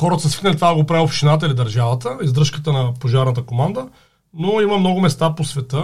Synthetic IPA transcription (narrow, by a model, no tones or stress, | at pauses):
xɔɾət̪səsvik̪nəlʲit̪vaɡopɾavɛlˠfʃt̪inat̪̬əilid̪ɐɾʒavət̪əizd̪ɾɤʃkət̪ənɐpoʒaɾnət̪̬əkomand̪ə | noimɐmnɔɡʊmɛst̪aposvɛt̪ə